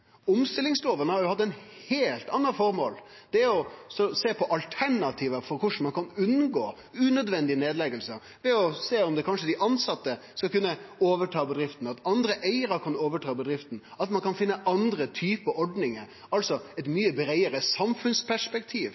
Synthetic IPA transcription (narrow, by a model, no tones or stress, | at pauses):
ʊmst̪ɪlːɪŋsloːʋənəhɑɾjʊhɑt̪̬ːɛɪnheːlt̪ɑnːɑfɔɾmo̰ːl | d̪̥ɛɔsɔseːpʰɔʔɑlt̪ʰæɳɑt̪ʰiːʋəfɔɾkʊʂn̩mɑnkʰɑnʉnːɡoː | ʉːnœd̪ʋɛnd̪ɪneːd̪lɛɡəlsəɾ | ʋɛɔseːɔmd̪ɛkʰɑnʂəd̪ɪʔɑnsɑt̪ːə | skɑlkʉnːəoːʋəʈʰɑːbəd̪ɾɪft̪n̩ɑt̪ɑnd̪ɾəʔæɪəɾɑkʰɑnoːʋəʈʰɑːbəd̪ɾɪft̪n̩ɑt̪mɑnkɑnfɪnːəʔɑnd̪ɾət̪ʰyːpəɔɖnɪŋəɾ | ɑlsɔɛt̪myːəbɾæɪəɾəsɑmfʉnspʰæʂpɛkt̪ʰiːʋ